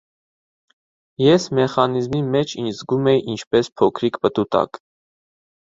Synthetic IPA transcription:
jɛsmɛχɑnizmimɛt͡ʃʰinzɡumɛjiʔint͡ʃʰpɛspʰɔkʰɾikpət̪ut̪ɑ̰k

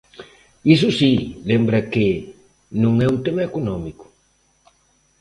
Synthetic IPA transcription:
is̬usilembɾɐke | nõŋɛũnt̪emɐekonɔmiku̥

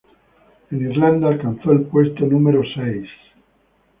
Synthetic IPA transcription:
eniɾland̪alkanθoelpwest̪onũmeɾosejs

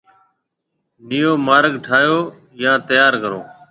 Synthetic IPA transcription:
nijoːmaːɾɡʈʰaːjoː | jãːt̪əjaːɾkəɾo̰ː

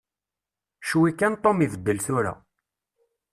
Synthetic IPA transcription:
ʃuwikːænt̪ˤomiθəd̪ːəlθʊɾæ̰

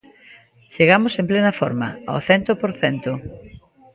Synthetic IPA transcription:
t͡ʃeɣamosemplenɐfɔɾmɐa̰o̰θɛnt̪opoɾθɛnt̪ʊ

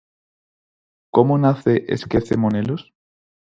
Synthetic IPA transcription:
komonaθeʔḛskeθemonelos

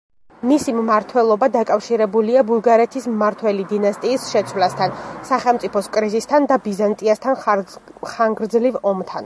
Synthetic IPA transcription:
misimmaɾt̪ʰwɛlˠɔbad̪akʼafʃiɾɛbuliabulˠɡaɾɛt̪ʰismmaɾt̪ʰwɛlid̪inast̪ʼiːsʃɛt̪sʰwlast̪ʰansaχɛlˠmt̪sʼipʰɔskʼɾizist̪ʰand̪abizant̪ʼiast̪ʰan | χaŋɡɾd̪zlivɔmt̪ʰan

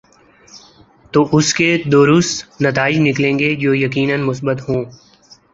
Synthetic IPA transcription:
t̪oːʔʊsked̪oːɾʊst̪nɐt̪aːɪd͡ʒnɪklẽːŋɡed͡ʒoːjɐkiːnənmʊsbət̪ɦõː

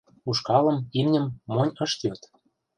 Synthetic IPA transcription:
uʃkɑlɤ̆mimnʲə̆mːonʲɤ̆ʃt̪jot̪

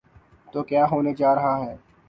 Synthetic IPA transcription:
t̪oːkjaːɦoːned͡ʒaːɾɐɦaɦɛː

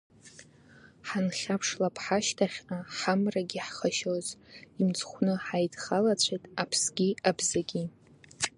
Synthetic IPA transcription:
ħanχʲapʰʂlapʰħaʃtʰaχʲaħamraɡʲiħχaʃozimt͡sʰʼχʷnɨħajdχalat͡ɕʷʰejtʼapʰsɡʲiabzaɡʲi

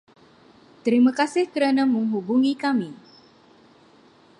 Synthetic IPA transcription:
t̪əɾimakasɪhkəɾanaməŋɦubuŋikami

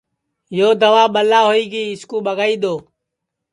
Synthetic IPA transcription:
joːd̪əʋaːɓəlaːɦoːiːɡiːɪskũːɓəɡaːiːɗ̪oː

